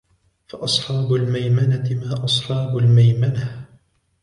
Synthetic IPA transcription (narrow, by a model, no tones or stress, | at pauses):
faʔɑsˤħɑːbʊlmajmanat̪ɪmaːʔɑsˤħɑːbʊlmajmana